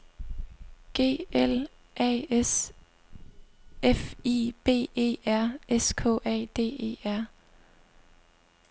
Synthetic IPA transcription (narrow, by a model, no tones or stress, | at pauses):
ɡ̥e̝̰ːel | ʔɛ̰es | efib̥e̝̰ːe̝̰ːæɐ̰eskʰɔ̰ːʔɛ̰ːd̥e̝̰ːe̝̰ːæɐ̰